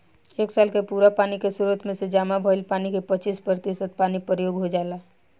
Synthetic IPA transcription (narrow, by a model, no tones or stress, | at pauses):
eːksaːlkepuɾapaːnikesuɾət̪mẽsed͡ʒaːmabʱəɪlpaːnikepət͡ʃiːspɾət̪isəd̪̚paːnipɾəjoːɡɦod͡ʒaːla